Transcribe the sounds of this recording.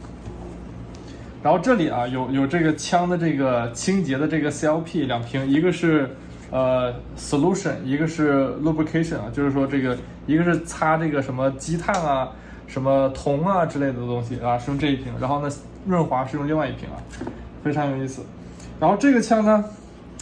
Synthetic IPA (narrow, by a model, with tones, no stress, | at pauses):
ɻa˧˥nxo˥˧ʈ͡ʂɤ˥˩li˨˩ʔɐ˦jo˧˩ʊjo˨˩ʊʈ͡ʂɤ˥˩ɡə˩t͡ɕʰjɑ˥ŋd̪ə˨ʈ͡ʂɤ˥˩ɡə˩t͡ɕʰi˥ŋt͡ɕjɛ˧˥d̪ə˧ʈ͡ʂɤ˥˩ɡə˩si˥ɑ˥ʊpʰi˥˩ljɑ˨˩ŋpʰi˧˥ŋi˧˥ɡə˧ʂɻ̩˥˩ | ə˧ | sə˧˩lu˥˩ʂə˨˩ni˧˥ɡə˧ʂɻ̩˥˧lɔ˥˩pʰkʰe˥ɪʂə˨˩n̰˨˩t͡ɕjo˥˧ʊʂɻ̩˥˩ʂwɔ˥ʈ͡ʂɤ˥˩ɡə˩ | i˧˥ɡə˧ʂɻ̩˥˩t͡sʰa˥ʈ͡ʂɤ˥˩ɡə˩ʂə˧˥nmə˧t͡ɕi˥t̪ʰa˥˩nɐ˩ | ʂə˧˥nmə˧t̪ʰʊ˧˥ŋɐ˧ʈ͡ʂɻ̩˥le˥˩ɪd̪ə˩t̪ʊ˥ŋɕi˨˩ɐ˧ʂɻ̩˥˧jʊ˥˧ŋʈ͡ʂɤ˥˧i˥˩pʰi˧˥ŋɻa˧˥nxo˥˧ʊna˥˧˩ | wə˥˩nxwa˧˥ʂɻ̩˥˧jʊ˥˧ŋli˥˧ŋwa˥˧ɪi˥˩pʰḭ˧˥ŋɐ̰˧fe˥ɪʈ͡ʂʰɑ˧˥ŋjo˨˩ʊi˥˩sɹ̩˨˩ | ɻa˧˥nxo˥˧ʊʈ͡ʂɤ˥˩ɡə˩t͡ɕʰjɑ˥ŋnə˧